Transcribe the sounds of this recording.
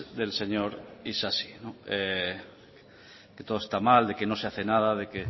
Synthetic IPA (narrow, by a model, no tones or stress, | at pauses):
ðe̞lseɲoɾisasi̥noe | ket̪o̞ðoest̪amald̪ekeno̞seaθenað̞aðe̞ke